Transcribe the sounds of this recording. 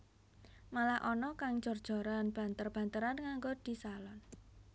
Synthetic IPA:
malahʔɔnɔkaŋ̥d͡ʒ̥ɔ̤rd̥ʒ̥ɔ̤ɾanb̥a̤nt̪ərb̥ä̤nt̪əɾanŋaŋɡod̪̥i̤salɔn

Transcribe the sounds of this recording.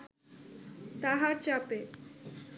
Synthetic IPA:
t̪aɦaɾt͡ɕape

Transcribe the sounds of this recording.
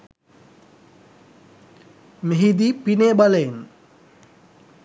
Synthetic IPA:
meɦid̪ipineːbaləin

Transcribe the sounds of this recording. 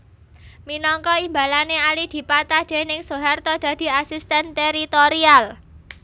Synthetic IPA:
minɔŋkɔimbalanealid̪̥i̤pat̪ad̪̥e̤nɪŋsoɦart̪ɔd̪̥a̤d̪̥i̤asist̪ɛnt̪eɾit̪oɾial

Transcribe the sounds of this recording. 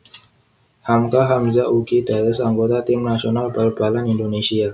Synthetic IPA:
hamkaɦamzaʔuɡidaɾɪsaŋɡot̪at̪ɪmnasionalbalb̥alanindonesia

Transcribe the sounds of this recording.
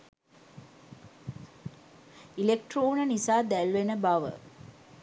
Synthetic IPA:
ilek̚ʈroːnənisaːd̪ælʋenəbaʋə̰

